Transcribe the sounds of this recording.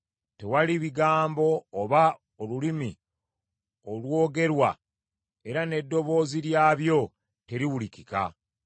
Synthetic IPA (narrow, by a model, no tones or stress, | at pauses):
te̞waliβiɡaːmbo̞ːβa | olulimi | olwo̞ːɡe̞ɾwa̰ | e̞ɾane̞dːo̞βo̞ːziɾjaːβjo̞ | te̞ɾiwulikika̰